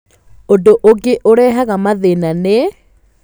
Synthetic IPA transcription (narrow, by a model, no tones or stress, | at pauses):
ondoʔoɡeʔoɾɛɦaɣamaðenane